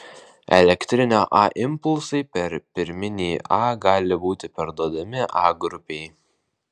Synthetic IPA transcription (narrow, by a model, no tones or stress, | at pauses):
ɛ̰lʲɛkt̪ʲɾʲɪnʲoːʔɑːʔɪmpʊlˠsɐɪpʲɛɾpʲɪɾʲmʲɪnʲiːʔɑːɡɑːlʲɪbuːt̪ʲɪpʲɐɾd̪uɔd̪ɐmʲɪʔɑːɡɾʊpʲɛɪ